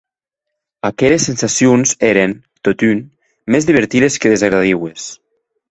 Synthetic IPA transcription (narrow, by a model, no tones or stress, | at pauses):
akɛlesːensasionzeɾen | t̪ot̪yn | mezðiβeɾt̪iðeskeðezaɣɾaðiwes